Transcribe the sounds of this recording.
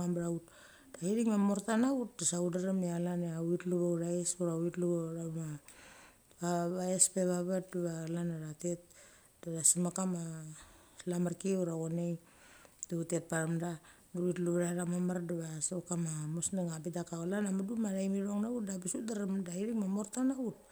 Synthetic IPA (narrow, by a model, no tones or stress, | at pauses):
ambɾaut̚ | daiɾiŋmamo̞ɾtanaut̚dasaudaɾamealaneawitluβawɾaesuɾawitluβoɾama | βaβaespe̞βaβat̚duβalanaɾate̞t̚ | daɾasimakama | lamaɾkiuɾaɣonej | duute̞t̚paɾamda | duwitluβɾaɾamamaɾduβasokamamosneŋabidakaolanamadumaɾajmiɾo̞ŋnaut̚dabisudaɾamdaiɾiŋmamo̞ɾtanaut̚